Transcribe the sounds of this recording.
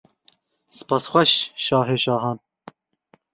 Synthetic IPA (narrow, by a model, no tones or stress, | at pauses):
sɨ̥pɑːsxʷɛʃʃɑːɦeːʃɑːɦɑːn